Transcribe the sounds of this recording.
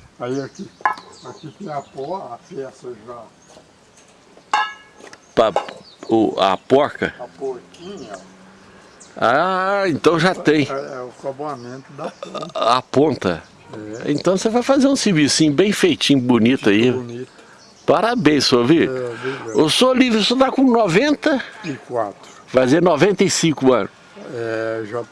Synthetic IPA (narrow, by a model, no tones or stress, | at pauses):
aiakiakit̪ẽj̃ɐpɔafɛsɐʒa | pɐʊa̰pɔɾkɐpoɾkĩɲɐ | aaẽnt̪ɐ̃w̃ʒat̪ẽj̃ɛʊkabamẽnt̪ʊd̪apõnt̪ɐ̰ | ɛḛ̃nt̪ɐ̃w̃sevajfazeɾũsivisĩɲʊbẽj̃fejt͡ʃĩɲʊbunit̪ʊɐinit | paɾɐbẽj̃soviɾ | ewsolivɾɪsot̪akõnɔvẽnt̪ɐkwat̪ɾ | vazenɔvẽnt̪ɐjsĩkʊɐ̃nʊs | ɛʒa